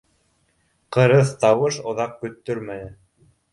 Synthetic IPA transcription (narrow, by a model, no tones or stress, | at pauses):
qɤ̆ɾɤθt̪ɑwɤʃŏðɑq̚kɵ̆t̪ːɵɾmæj̪ɘ